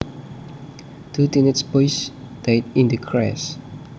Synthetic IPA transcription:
tʰutinətspɔjs | d̥et̚ĩndəkʰɹɛ̰s

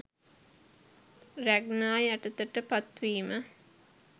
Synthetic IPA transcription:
ræɡnaːjæʈət̪əʈəpat̪ʋiːmə

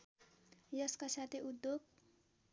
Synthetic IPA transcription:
jʌskasat̪ʰeud̪joɡ̚

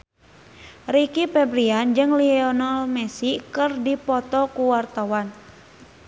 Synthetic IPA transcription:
rikipɛbɾiand͡ʒɨŋliɛɔnɔlmɛsikɨrdipɔt̪ɔkuwart̪awan

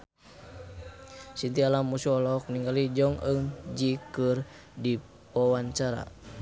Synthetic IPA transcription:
sint̪ialamːusuɔlɔk̚niŋɡalid͡ʒɔŋəŋd͡ʒikɨr | di | pɔwaɲt͡ʃaɾa̰

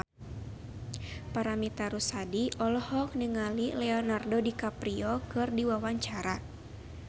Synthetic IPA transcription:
paɾamit̪aɾusadiʔɔlɔhɔk̚nɛŋalilɛɔnardɔdikapɾiɔkɨrdiwawaɲt͡ʃaɾa

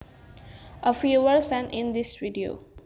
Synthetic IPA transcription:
ʔəfjuʋəɾsɛ̃nĩnd̪isʋiɖio̰

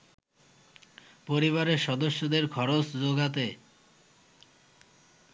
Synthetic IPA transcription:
poɾiβaɾeɾʃɔd̪oʃːod̪eɾkʰɔɾot͡sd͡ʑoɡat̪̬e

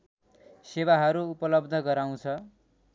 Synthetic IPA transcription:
sewaɦʌɾuupʌlʌbd̪ʱʌɡʌɾaw̃t͡sʰʌ

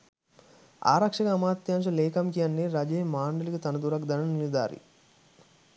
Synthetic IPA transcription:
a̰ːɾɐkʂɐkɐɐmaːt̪jaːmʃ̬ɐleːkɐmkijɐnːiɾɐd͡ʒeːmaːɳɖɐlikut̪ɐnɐd̪uɾɐɡd̪ɐnɐnnilid̪a̰ːɾḭ

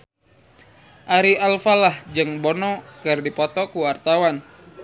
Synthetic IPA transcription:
ʔaɾialfalahd͡ʒɨŋbɔnɔkɨrdipɔt̪ɔkuwart̪awan

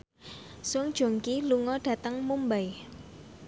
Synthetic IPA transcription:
sʊŋd̥ʒ̥o̤ŋkiluŋɔɖ̥ä̤t̪əŋmumbaj

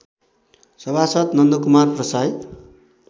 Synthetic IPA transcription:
sʌbʱasʌt̪nʌnd̪okumarprʌsaj

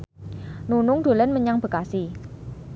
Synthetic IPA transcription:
nunʊŋd̪̥o̤lənməɲaŋb̥ə̤kasi

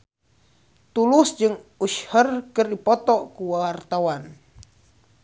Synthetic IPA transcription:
t̪ulusd͡ʒɨŋuʃhərkɨrdipɔt̪ɔkuwawart̪awan

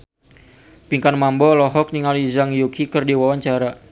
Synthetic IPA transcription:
piŋkanmambɔlɔɦɔk̚niŋalizaŋjukikərdiwawaɲt͡ʃaɾa

